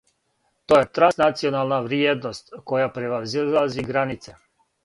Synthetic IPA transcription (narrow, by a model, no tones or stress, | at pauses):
t̪ojet̪ɾansnat̪sionalˠnaʋɾjed̪nost̪kojapɾeʋazilaziɡɾanit̪se